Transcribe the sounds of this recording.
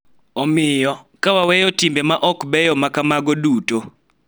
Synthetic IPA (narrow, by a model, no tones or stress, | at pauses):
ɔmɪjɔkawawɛjɔtimbɛmaʔɔkbɛjɔmakamaɡɔduto